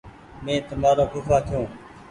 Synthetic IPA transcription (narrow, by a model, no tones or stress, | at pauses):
mẽːt̪əmaːɾoːkʊfaːk̪ʰɪjõː